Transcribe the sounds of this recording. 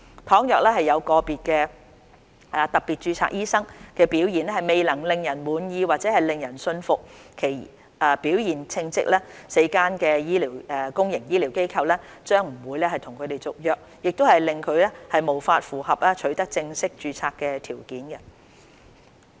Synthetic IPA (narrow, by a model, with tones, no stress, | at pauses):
t̪ʰɔː˨˥ŋjœː˨k̚lɛː˥ɦɐ˨jːɐ˨˧wkɔː˧piː˨t̚kɛː˧ | ɛ˨t̪ɐ˨˩k̚piː˨t̚t͡ʃyː˧t͡sʰa̰˧˥k̚jiː˥sɐ˥ŋkɛː˧piː˨˥wjiː˨˩nɛ˥hɐ˨jme˨jlɐ˨˩ŋlɪ˨ŋjɐ˨˩nwuː˨˧njiː˧waː˨t̚t͡sɛː˨˦˥hɐ˨jlɪ˨ŋjɐ˨˩nsɵ˧nfʊ˨k̚kʰe˨˩j | ɛː˨˧piː˨˥wjiː˨˩nt͡sʰɪ˧ŋt͡sɪ̰˥k̚lɛː˥se˨˧˥jkaː˥nkɛː˧jiː˥liː˨˩wɛː˨˧kʊ˥ŋjɪ˨˩ŋjiː˥liː˨˩wke˥jkʰɐ˧wlɛː˥ | t͡ʃœː˥ŋm̩˨˩wuː˨˧jlɛː˥hɐ˨jt̪ʰʊ˨˩ŋkʰɵ˨˧ɥt̪e˨jt͡sʊ˨k̚jœː˨k̚jɪ˨k̚t̪o˥whɐ˨jlɪ˨ŋkʰɵ˨˧ɥlɛː˥hɐ˨jmo˨˩wfaː˧t̚fuː˨˩hɐ˨p̚lɛː˥t͡ʃʰɵ˨˧˥ɥt̪ɐ˥k̚t͡sɪ˧ŋsɪ˥k̚t͡ʃyː˧t͡sʰaː˧kːɛː˧t̪ʰiː˨˩wkiː˨˥nɡɐ˧